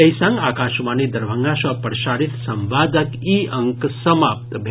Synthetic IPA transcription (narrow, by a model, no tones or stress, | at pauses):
əjsãŋɡaːkaʃmanid̪əɾʋʱəŋɡaʃapəɾʃaɾit̪səmʋad̪əkiəŋksəmap̚t̪bʱ